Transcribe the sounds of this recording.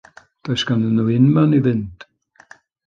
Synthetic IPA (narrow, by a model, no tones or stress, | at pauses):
d̪̥ajskanənuɪnmanivɪnt